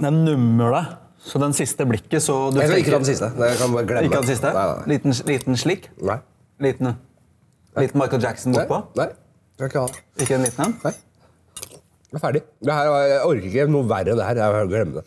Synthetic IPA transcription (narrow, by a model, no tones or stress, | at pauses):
d̪ɛnʉmːəɭə | sɔd̪ɛnsɪst̪əblɪkːəsɔd̪ʉɪk̪ːɑd̪ɛsɪst̪əd̪ɛkɑnbɑɾəɡlɛɪːɑd̪ɛsɪst̪ə̰liːt̪n̩liːt̪nʂɭiːkːnaɪ | liːt̪n̩ | liːt̪n̩mɑɪkl̩d͡ʒæksn̩ɡupʰɔnaɪ | ɑnɪkːhɑɪkːəd̪ɛniːt̪n̩ɛnnaɪ | æfæːɖɪd̪ɛhæːɾjæɔɾkəɾɪkːənuːʋæɾəd̪ɛhæːɾjæɡlɛmːəd̪ɛ